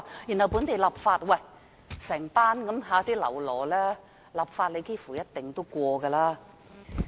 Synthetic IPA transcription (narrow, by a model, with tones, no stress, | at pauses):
ji˨˩nhɐ˨˩wpuː˨˥nt̪e˨jlɐ˨˩p̚faː˧t̚wɐ˧˩j | sɛː˨˩ŋpaː˥nkɐ˨˥mɦaː˨˧t̪iː˥lɐ̰˨˩wlɔː˨˩lɛː˥ | lɐ˨p̚faː˧t̚le˨˧jkeː˥fuː˨˩jɐ˥t̚t̪ɪ˨˩ŋt̪o˥wkʷɔː˧ɡɐː˧laː˥